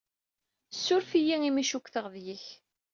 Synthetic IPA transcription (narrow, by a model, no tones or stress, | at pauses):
sːʊɾfijiŋimiʃukʷːθəʁðjiç